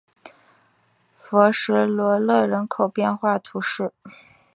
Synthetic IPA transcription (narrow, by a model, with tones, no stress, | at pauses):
fɤ˧˥ʂɻ̩˧˥lwɔ˧˥lɤ˥˩ɻə˧˥nkʰo˨˩ʊpjɛ˥˧nxwa˥˩t̪ʰu˧˥ʂɻ̩˥˩